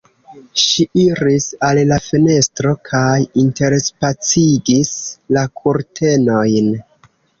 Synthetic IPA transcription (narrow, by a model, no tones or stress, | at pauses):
ʃiʔiɾisallafine̞stɾo̞kʰajinte̞ɾspat͡siɡislakʰuɾtʰe̞no̞jn